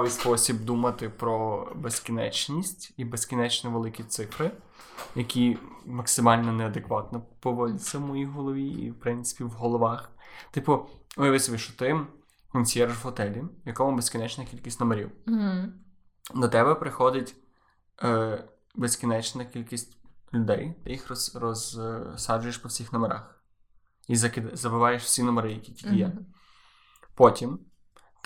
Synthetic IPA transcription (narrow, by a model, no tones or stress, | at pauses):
ɑʋɪjspɔsʲib̚d̪umɐt̪ɪpɾɔbeskʲinɛ̰t͡ʃnʲisʲtʲibeskʲinɛt͡ʃnɛʋelˠɪkʲit̪sɪfɾɪ | jɐkʲimɐksɪmɑlʲnɔnɛɐd̪ekʋɑt̪nɔpɔʋɔdʲɪt͡sʲːɐwmɔjiɦɔlˠɔʋʲiḭwpɾɪnt̪sɪ̥pʲiwɦɔlˠɔʋɑxt̪ɪpʊʊɐʋɪsʋʲiʃʊ̥t̪ɪm | kɔnʲsʲjɛrʒɦɔt̪ɛlʲiʋjɐkɔmʊbeskʲinɛt͡ʃnɐkʲilʲkʲisʲtʲnɔmeɾʲḭw̩ɦ | d̪ɔt̪ɛbɛpɾɪxɔd̪ɪtʲː | beskʲinɛt͡ʃnɐkʲilʲkisʲtʲlʲʊd̪ɛjt̪ɪjixrɔsrɔzsɑd͡ʒʊjeʃpɔwsʲixnɔmeɾɑ̰x | izɐkɪd̪zɐbɪʋɑjeʃwsʲinɔmeɾɪjɐkʲi̥tʲidʲijɛ | pɔtʲim